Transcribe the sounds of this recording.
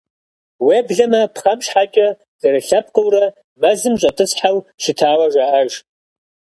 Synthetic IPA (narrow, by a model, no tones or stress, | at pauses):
wibɮamɐpʰχamʃħakʲʼa | zʼaɾaɬap̚ʰqʼəwɾa | mazɨmɕʷʼatʼɨsʰħawʃʷɪtʰaːwaʒʷaʔaʒ